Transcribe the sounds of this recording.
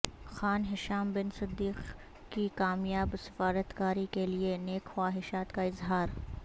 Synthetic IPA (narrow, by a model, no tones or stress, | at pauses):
xaːnɦɪʃaːmbɪnsɪd̪ːiːq | kikaːmjaːbsɪ̥faːɾət̪kaːɾikelieneːkxwaːɦɪʃaːt̪kaɪzɦaːɾ